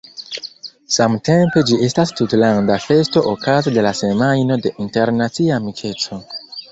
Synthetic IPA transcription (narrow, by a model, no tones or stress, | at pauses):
samte̞mpe̞d͡ʒie̞stastutlandafe̞sto̞ʔokazode̞lase̞majno̞de̞ʔinte̞ɾnat͡siamikʰe̞t͡so̞